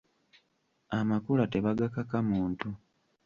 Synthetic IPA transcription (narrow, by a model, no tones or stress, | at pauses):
amakulate̞βaɡakakamuːntu